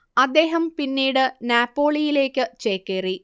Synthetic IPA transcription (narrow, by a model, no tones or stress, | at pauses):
ɐd̪ːe̞ːɦɐmpinːiːɽɨnjaːpːo̞ːɭijile̞ːkːɨt͡ɕeːkːeri